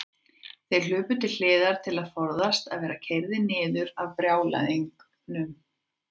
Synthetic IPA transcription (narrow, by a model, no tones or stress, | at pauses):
θejɾl̥ʏːpʏt̪ʰɪl̥l̥ɪːðaɾ̥t̪ʰɪlaðfɔɾðast̪a̰ðvɛːɾacʰejɾðɪnɪːðʏɾavpɾjaːwla̰jðiŋk | nʏm